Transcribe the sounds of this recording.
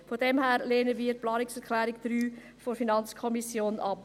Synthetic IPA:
fodɛmɦæːɾleːnəviːəɾplɑːnɪksɛɾkʰlɛːɾɪkd̥ɾyː | fofinɑnt͡skʰɔmisjoːnɑp

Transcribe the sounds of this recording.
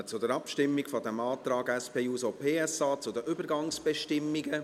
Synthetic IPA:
ət͡sʊdəɾɑpʃtɪmːikfɔd̪ɛmɑːt̪ɾɑːɡɛspeːuːsoːpʰeːɛsaːt͡sʊd̪əʔʏbəɾɡɑŋsb̥ɛʃtɪmːiɡə

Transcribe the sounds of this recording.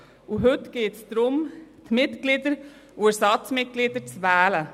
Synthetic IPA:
ʊɦʉt̪ɡ̥eːt̪sd̪ɾʊmt̪ʰmɪt̪ɡ̥lid̪əɾ | ʔuæɾsɑt̪smɪt̪̚ɡ̥lɪd̪əɾt͡sʋæːlə

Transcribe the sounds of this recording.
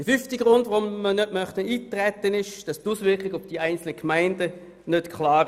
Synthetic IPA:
d̥əfyftiɡ̥ʁʊndvʁʊmmənøtmœχtəiːtʁɛtːənɪʃd̥ɑstuːsʋɪɐkɪɡʊfd̥iæɪnt͡sl̩nəkʰmaɪndə | nøtkʰlɑːʁ

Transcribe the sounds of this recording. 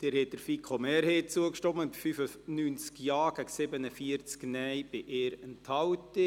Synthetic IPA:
d̥ɪːɾhɛt̚d̥əɾfikʰχomɛːɾheːt͡suəkʃtɔmənbifyfənyːnt͡skjɑːɡ̥æɡsɪbənəfiəɾt͡sknɛjb̥ɪʔeːɾənthɑwtə

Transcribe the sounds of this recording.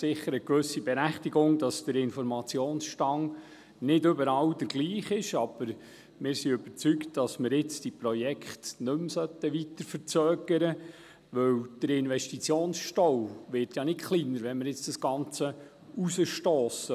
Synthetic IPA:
sɪχːəɾəkʋɵsːib̥ɛɾæχtiɡʊŋd̥ɑsd̥əɾɪnfɔɾmɑt͡sjoːnsʃtɑŋ | nɪdɵbəɾɑld̥əɾɡ̥liːχɪʃɑb̥əɾ | mɪːɾsiʏbəɾt͡syktd̥ɑsməɾɪt͡sd̥ipɾɔjɛkχtnɵmsœt̪ːəʋit̪əɾfəɾt͡sœːɡ̥əɾə | ʋɵwd̥əɾɪnʋɛstit͡sjoːnsʃtɔwʋɪɾtjɑnɪtχliːnəɾʋɛnməɾjɪt͡sd̥ɑsɡ̥ɑnt͡sə | usəʃtoːsə

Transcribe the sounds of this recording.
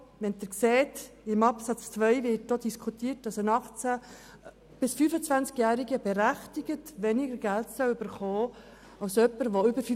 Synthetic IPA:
ʋɛnt̪əɾkseːtɪmɑpsɑt͡st͡sʋœɪvɪːt̚dod̥̪iskʰχutiːət̚dɑsənɑχt͡sæ | b̥ɪsfyːfət͡sʋænt͡skjæːɾiɡəbɛɾæχtiɡ̥ətʋɛniɡəɾɡæltsœwybəɾχɔː | ɑwsœpːəɾʋɔʏbəɾf

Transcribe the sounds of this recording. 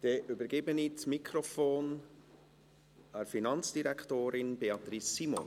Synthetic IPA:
d̥ɛʔøbəɾɡ̥ebənit͡smikʰɾofoːn | æɾfinɑnt͡sd̥iɾækʰtoːɾɪnbeɑt̪ɾisːimɔ̰n

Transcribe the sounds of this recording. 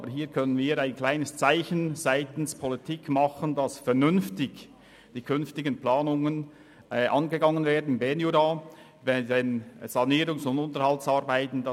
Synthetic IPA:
bəɦiːɾkʰœnənviːɾaɪnkʰl̥aɪnəst͡saɪçənzaɪtn̩spʰɔlitʰikmɑχəndɑsfɛɾnʏnftɪç | d̥iːkʰʏnftɪɡənplɑːnʊŋən | ʔʔɑnɡəɡɑŋənveːɐdn̩bɛnjuɾɑ | vɛdɛnz̥ɑniːɾʊŋsʊndʊntəɾhɑltsɑːɾbaɪtn̩dɑ

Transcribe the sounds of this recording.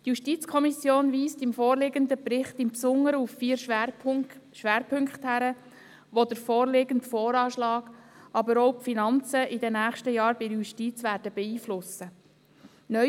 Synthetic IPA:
tjuʃtiːt͡skʰɔmisjoːnʋiːstɪmfɔːɾlɪɡənd̪əpɾɪχt̪ɪmpsʊŋːəɾəufːiːɾ | ʃʋæːɾpʰʏŋkχthæɾə | ʋod̥̪əɾfɔːrlɪɡəntfɔːɾɑːʃlɑːɡ̥ɑbəɾɔwpfinɑnt͡səʔɪdɛnæːχʃtəjɑːɾbɪɾjuʃtit͡sʋæːɾd̥əbɛiːflʊsə | nœ

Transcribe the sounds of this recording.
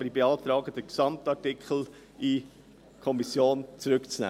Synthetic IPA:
əɾibeɑːtɾɑːɡəd̥əksɑmtɑɾtikχl̩ | i | kʰɔmisjoːnt͡sɾʏkt͡snæ̰ː

